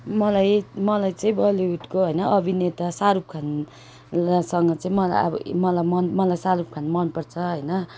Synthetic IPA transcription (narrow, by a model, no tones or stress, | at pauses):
mʌlajmʌlajt͡sʌĩbʌliɦut̪koɦʌjnʌʔʌbʱinet̪asaɾup̚kʰan | lasʌŋɡʌt͡sãĩmʌla̰a̰bʌ̰mʌlajmʌnmʌlajsaɾup̚kʰanmʌnpʌrt͡sʰʌɦʌjnʌ